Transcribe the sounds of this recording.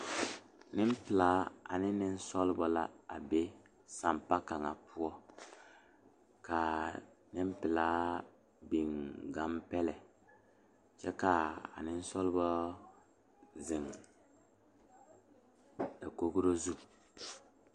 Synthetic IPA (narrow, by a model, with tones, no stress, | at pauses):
nɪ˦m˦pɪ˨laː˨˦a̰˨nɪ˦nɪ˦n̩˦sɔ˦lɪ˦bɔ˦la˦˨a˨be˦ | sa˨mpa˦ka˨ŋa˨pʰu˦ɔ˦ | ka˨ | nɪ˦m˦pɪ˨laː˦ | bi˨ŋɡa˨˦mpɛ˦lɛ˨ | t͡ʃɛ˦ka˨a̰˨nɪ˦n̩˦sɔ˦lbɔ˦ | zɪ˨ŋ | a˨ko˦ɡu˦ɾo˦zu˦